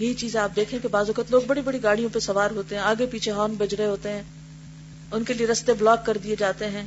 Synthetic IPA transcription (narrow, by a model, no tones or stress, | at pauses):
ɦiit͡ʃiːzẽaːp̚d̪eːkʰẽkebaːzɐkət̪loːɡbɐɽibɐɽiɡaːɽ̤ijõpesɐʋaːɾɦoːt̪eɦɛ̃aːɡepiːt͡ʃʰeɦɔːnbɐd͡ʒɾeɦoːt̪eɦɛ̃ː | ʊnkelieɾɐst̪eblɔːkːɐɾd̪ied͡ʒaːt̪eɦɛ̃ː